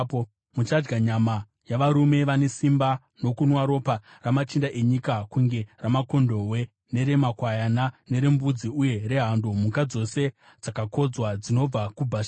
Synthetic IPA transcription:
mut͡ʃad͡ʒɡaɲama | jaʋaɾume̞ʋane̞simba | no̞kunwaɾo̞ːpa | ramat͡ʃindaʔe̞ɲikakuŋɡe̞ramako̞ndo̞ɦwe̞ | ne̞ɾe̞makwajanane̞ɾe̞mbud͡ziuje̞ɾe̞ɦandomukad͡zo̞se̞ | d͡zakako̞d͡zwad͡zino̞b͡vakubʱaʃa

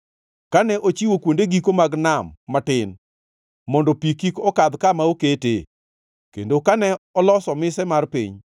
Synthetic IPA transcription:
kanɛʔot͡ʃiwokwondeɡikomaɡnamːatɪn | mɔndɔpikikɔkad̪kamaokete | kḛndokanɛɔlɔsɔmɪsɛmarpḭɲ

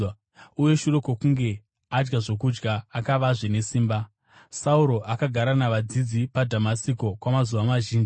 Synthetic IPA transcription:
uje̞ʃuro̞kokuŋɡe̞ | ad͡ʒɡaʐo̞kud͡ʒɡaːkaʋaʐene̞siːmba | sauɾo̞ʔakaɡʱaɾanaʋad͡zid͡zipadʱamasiko̞kwamazuʋamaʒiːnd͡ʒi

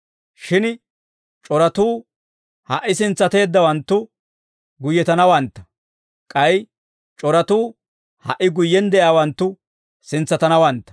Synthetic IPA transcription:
ʃɪn | t͡ʃʼɔɾɐt̪uː | hɐʔːɪsɪnt͡sːɐt̪e̞ːd̪ːɐwɐnt̪ːʊ | ɡʊjːɛt̪ɐnɐwɐnt̪ːɐ̥ | kʼɐj | t͡ʃʼɔɾɐt̪uː | hɐʔɪɡʊjːɛnd̪ɛʔaːwɐnt̪ːʊ | sɪnt͡sːɐt̪ɐnɐwɐnt̪ːɐ̥

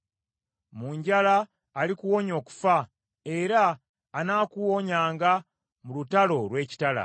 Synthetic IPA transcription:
muːɲɟalaː | likuwo̞ɲo̞ːku̥fa | e̞ɾaː | naːkuwo̞ɲaːŋɡa | mulutalo̞lwe̞ːci̥tala̰

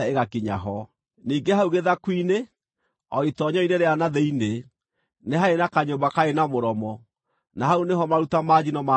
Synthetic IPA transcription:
eɣakiɲaɦɔ | niːŋɡeɦauɣeðakwine | ɔitɔɲɔineɾeanaðeine | neɦaenakaɲobakaenamoɾɔmɔ | naɦauneɦɔmaɾutamad͡ʑinɔma

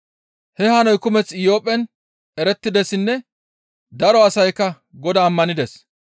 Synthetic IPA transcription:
hɛhɐnɔjkʊmɛt͡sɪjo̞ːpʼːɛn | ɛɾɛt̪ːɪd̪ɛsɪnːɛ | d̪ɐɾɔɐsɐjkːɐ | ɡɔd̪ɐːmːɐnɪd̪ɛs

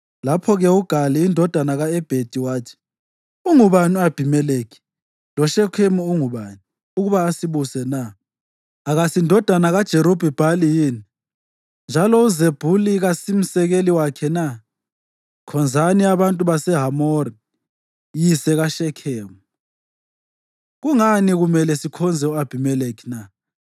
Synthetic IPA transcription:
lapʰɔɣɛuɡ̥ʱaliːndʱɔd̥ʱanaɣaɛb̥ʱed̥ʱiwaːtʰi̥ | uŋuβanuab̥ʱimɛleki̥ | lɔʃɛkʰemuuŋuβaːni | uɣuβaːsiβusɛna | aɣasindʱɔd̥ʱanaɣad̥ʒ̥ʱeɾub̥ʱib̥ʱalijiːni | nd͡ʒʱalɔuzeb̥ʱuliɣasim̩sɛɣeliwakʰɛna | kʰɔnd͡zʱaniaβantʼuβasɛɦamɔri | jisɛɣaʃɛkʰeːmu | ɣuŋaniɣumɛlɛsikʰɔnd͡zʱɛuab̥ʱimɛlekʰi̥na

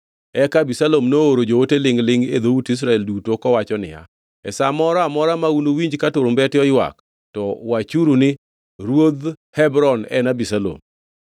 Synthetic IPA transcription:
ɛkabisalomnooɾod͡ʒowotelɪŋlɪŋḛd̪outis̬ɾaɛldutokɔwat͡ʃɔnɪ̰ja̰ | ɛ̰samɔɾɔamɔɾamaunowiɲd͡ʒkatʊɾʊmbɛtɪɔjwa̰k | tɔwat͡ʃuɾunɪ | ɾwod̪ | hɛbɾɔnɛ̰nabisalo̰m

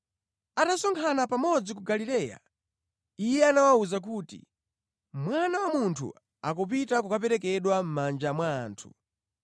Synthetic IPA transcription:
atasɔŋkʰanapamɔd͡zik̬uɡalilɛːja̰ | ijɛanawauzak̬uːtḭ | mwanawamuntʰṵ | akɔp̬itakukapɛɾɛk̬ɛɗwam̩mand͡ʒamwaːntʰu̥

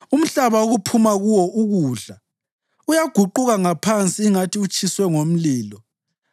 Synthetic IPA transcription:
um̩ɬaβaoɣupʰumaɣuwɔʔuɣuːɮa | ujaɡ̥ʱuǃuɣaŋapʰant͡sʼiːŋatʰiut͡ʃʼiswɛŋom̩liːlɔ

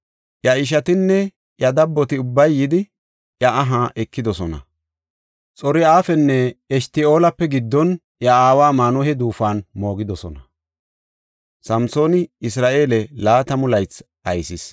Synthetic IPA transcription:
ʔjɐɪʃ̬ɐt̪ɪnːɛ | ʔjɐd̪ɐbːɔt̪ɪʊbːɐjːɪd̪ɪ | ʔjɐʔɐɦaːʔɛkːɪd̪ɔsɔnɐ̰ | t͡sʼɔɾɪaːfɛnːɛɛʃt̪ɪo̞ːlɐpːɛɡɪd̪ːɔn | ʔjɐaːwaːmaːnɔhɛd̪uːfaːnmo̞ːɡɪd̪ɔsɔnɐ | sɐmso̞ːnɪɪsɾaːʔe̞ːlɛlaːt̪ɐmʊlɐjt͡s | ɐjsɪs

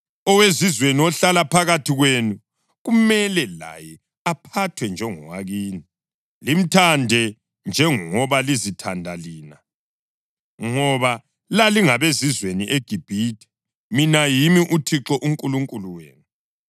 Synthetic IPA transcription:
ɔwezizweniɔɬalapʰaɣatʰiɣwenu | ɣumɛlɛla̰jɛ | apʰatʰwɛnd͡ʒʱɛŋɔ̰waɣiːni | lim̩tʰandʱɛ | nd͡ʒʱɛŋŋɔβalizitʰandʱaliːna | ŋɔβa | laliŋaβezizweniʔeɡ̥ʱib̥ʱitʰʼɛ̥ | minajimiʔutʰiǁɔʔuŋkʼuluŋkʼuluwḛːnu

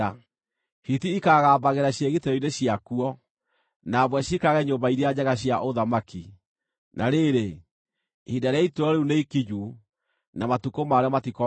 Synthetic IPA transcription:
hiθiikaːɣaːbaɣeɾaɕjeɣeteɔineɕiakuɔ | naβwɛɕikaɣɛɲombaiɾead͡ʑaɣaɕ̬jaʔoðamaki | nʔaɾeɾe | hidaɾeaitoɾɔɾeuneikiɲu | namatukomaɾeɔmatikɔ

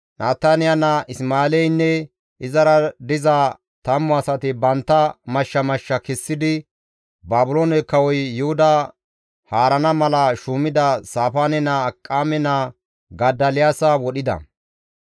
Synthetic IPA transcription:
nʔaːt̪aːnɪjanɐʔɪsmaːlɛjnːɛ | ʔɪzɐɾɐd̪ɪza | t̪ɐmːɔɐsɐt̪ɪbɐnt̪ːɐmɐʃːɐmɐʃːɐkɛsːɪd̪ɪ | baːbʊloːnɛkːɐwɔjːʊhʊd̪ɐ | haːɾɐnɐmɐlɐʃuːmɪd̪ɐsaːfaːnɛnaːkʼːaːmɛna | ɡɐd̪ɐlɪjaːsɐwɔɗɪd̪ɐ̰

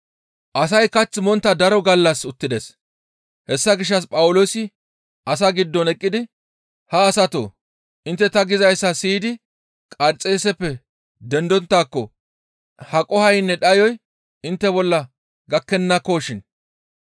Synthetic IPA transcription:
ʔɐs̬ɐjkɐt͡sːɪmɔnt̪ːɐd̪ɐɾɔɡɐlːɐsʊt̪ːɪd̪es | hɛsːɐɡɪʃ̬ːɐs̬pʼɐwʊloːsɪ | ʔɐsɐɡɪd̪ːɔnɛkʼːɪd̪ɪ | hɐːsɐt̪o̰ː | ʔɪnt̪ːɛt̪ɐɡɪzɐjsːɐsiːd̪ɪ | kʼɐɾt͡sʼːeːsɛpːɛ | d̪ɛnd̪ɔnt̪ːaːkːɔ | hɐkʼɔhɐjnːɛɗɐjɔj | ɪnt̪ːɛbɔlːɐ | ɡɐkːɛnːɐkoːʃɪn

